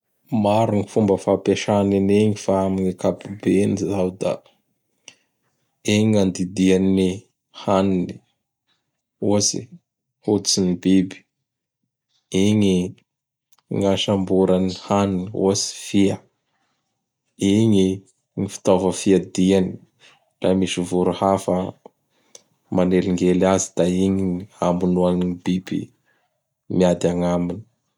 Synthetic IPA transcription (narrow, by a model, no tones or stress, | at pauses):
maɾuŋifumbəfapeʃanineɲifaamiɲakapubenizawd̪a̰ | eɲiŋand̪id̪iani | hanini | ozḭ | hod̪t͡sinibebi̥ | eɲi | ŋaʃambuɾanihanunio̰si̥fiə | iɲi | ŋifi̥t̪ovəfiad̪iani̥ | ra̰miʃivuɾuhafə | maneliŋɡelazi̥d̪̥aiɲiiambunuaninibibḭ | miad̪aŋamini̥